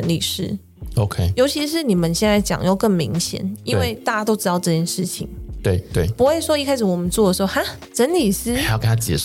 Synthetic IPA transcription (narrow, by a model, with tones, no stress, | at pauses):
ə˧˦nli˨˩ʂɻ̩˥ | o˧ʊkʰe˦jo˧ʊt͡ɕʰi˧˥ʂ̬ɻ̩˥˩ni˨˩mə˦nɕjɛ˥˧nt͡sa˥˩ɪt͡ɕjɑ̰˨˩ŋjo˥˧ʊkə˥˩ŋmi˧˥ŋɕjɛ̰˨˩˦nḭ˥nwe˥˩ɪt̪a˥˧˩t͡ɕa˥t̪o˥ʊʈ͡ʂɻ̩˥t̪ɑ˥˧ʊʈ͡ʂɤ˥˧˩t͡ɕjɛ˥˧nʂɻ̩˥˩t͡ɕʰḭ˨˩ŋt̪we˥˩ɪt̪we˥˩pu˧˥xwe˥˩ɪʂwɔ˥i˥˧kʰa˥ɪʂɻ̩˨˩wɔ˨˩mə˨˦nt͡swɔ˥˩ə˩ʂɻ̩˧˥xo˥˧xa˥ | ʈ͡ʂə˧˦˥nli˨˩sɹ̩˥a˧˦jkə˥nʰa˥t͡ɕjɛ̰˨˩˨